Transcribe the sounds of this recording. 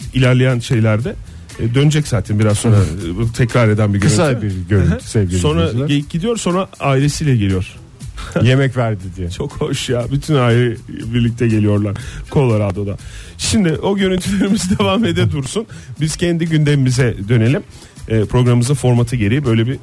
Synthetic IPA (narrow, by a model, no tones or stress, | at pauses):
ilʲæɾlʲejænʃe̞jlʲæɾd̪ɛ | d̪ønd͡ʒɛczaːt̪ʰɛnbiɾazso̞nɾat̪ʰɛcɾaɾe̞d̪ænbiɟøɯɾynaybiɾɟøɾynt̪ʰy̥sɛvɟislʲo̞nɾaɟ̚ɟid̪ijo̞ɾso̞nɾaaːiɾe̞siːlʲɛɟelʲijo̞ɾ̥ | je̞mɛcvæɾd̪id̪ijɛt͡ʃʰokhoʃjabyt̪ʰynaːiɾɛbiɾlʲic̚t̪ʰɛɟelʲijo̞ɾlˠaɾkʰo̞lˠaɾad̪o̞d̪a̰ʃimd̪ɪʔo̞ɟø̞ɾynt̪ʰylʲe̞ɾimizid̪evaːme̞d̪ɛd̪uɾsunbiz̥cʰɛnd̪iɟynd̪emimizɛd̪ø̞ne̞lʲimː | pʰɾo̞ɡɾamɯmɯzafo̞ɾmat̪ʰɯɟe̞ɾijibø̞jlʲebi